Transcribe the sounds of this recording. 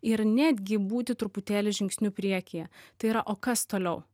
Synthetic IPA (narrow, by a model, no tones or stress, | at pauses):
ɪɾnʲæːd̪ʲɡʲɪbuːt̪ʲɪt̪ɾʊpʊt̪ʲæːlʲɪʒʲɪŋʲksʲnʲuːpʲɾʲiɛkʲɪjɛt̪ɐɪiːɾɐʔoːkɐst̪oːlʲɛʊ